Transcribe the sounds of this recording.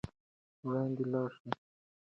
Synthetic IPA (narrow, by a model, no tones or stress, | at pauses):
wɽɑːnd̪elɑːʃe